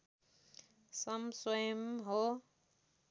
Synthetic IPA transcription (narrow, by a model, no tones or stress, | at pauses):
sʌmsʌjʌmɦo